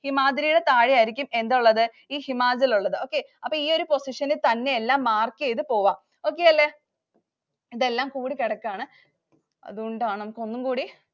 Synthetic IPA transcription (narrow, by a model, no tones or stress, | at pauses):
himaːdɾijuɽe̞t̪aːɻijaːjiɾikʲːume̞nd̪uɭːɐðɨ | iːhimaːd͡ʑiluɭːɐðɨo̞ːkːe̞ | ɐpːoːiːo̞ɾupo̞siʂɐnɨt̪ɐnːe̞elːaːmːaːrkːiejt̪ːɨpo̞ːʋaːm | o̞ːk̬ːe̞ːɐlːe | iðelːaːmkuːɽikeɽɐkːaːɳɨ | ɐ̰ðuɣoɳɖaːɳɨnɐmukːo̞nːumkuːɽi